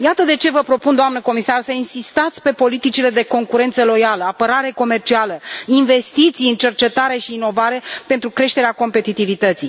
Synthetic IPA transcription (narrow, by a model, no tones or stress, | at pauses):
jat̪əd̪e̞t͡ʃe̞vəpɾo̞pund̪oamnəko̞misarsəinsist̪at̪sʲpe̞po̞lit̪it͡ʃile̞d̪e̞ko̞ŋkuɾe̞nt̪səlo̞jaləapəɾaɾe̞ko̞me̞rt͡ʃialəinve̞st̪it̪sijɨnt͡ʃe̞rt͡ʃe̞t̪aɾe̞ʃiːno̞vaɾe̞pe̞nt̪ɾukɾe̞ʃt̪e̞ɾeako̞mpe̞t̪it̪ivit̪ət̪si